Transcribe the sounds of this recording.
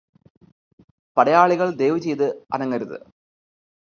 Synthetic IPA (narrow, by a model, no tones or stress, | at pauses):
pɐɽɐjaːɭiɣɐɭd̪e̞ːʋɨt͡ɕe̞jðɨɐ̰nɐŋːɐɾuðɨ̰